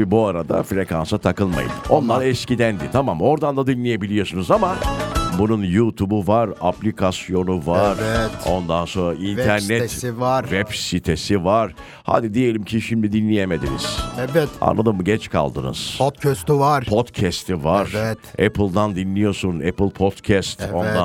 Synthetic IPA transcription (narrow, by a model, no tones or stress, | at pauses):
ibuaɾad̪a̰fɾe̞kansat̪ʰakɯlˠma̰jɯ̰no̞nlˠaɾɛscid̪ænd̪it̪ʰamamo̞ɾd̪and̪ad̪inlʲije̞bilʲijo̞sunuzamabununjut̪ʰubuvaɾaplʲikʰasjo̞nuvaɾt̪o̞̰nd̪anso̞nɾaʔint̪ʰæɾnɛt̪ɾvɛpsit̪ʰesivaɾ̥ | ha̰d̪id̪ije̞lʲimcʰiʃimd̪id̪inlʲijeme̞d̪inḭz̥ɛvɛt̪a̰nlˠad̪ɯmːɟɛt͡ʃkʰa̰lˠd̪ɯ̰nɯ̰z̥ʰot̪cʰɛst̪yvaɾpʰo̞t̪cʰɛst̪ʰivaɾɛt̪ɛpɯlˠd̪and̪inlːʲijo̞sunɛpɯlʲˠpʰo̞t̪cʰɛst̪o̞nd̪a